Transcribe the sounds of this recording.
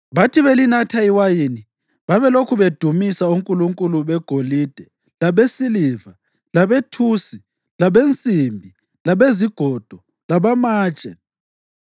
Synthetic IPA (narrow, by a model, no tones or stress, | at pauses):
βatʰiβelinatʰaiwajini | βaβɛlokʰuβed̥ʱumisauŋkʼuluŋkʼuluβɛɡ̥ʱoliːd̥ʱɛ | laβesiliva | laβetʰusi | laβent͡sʼimbʱi | laβeziɡ̥ʱɔd̥ʱɔ | laβamaːt͡ʃʼɛ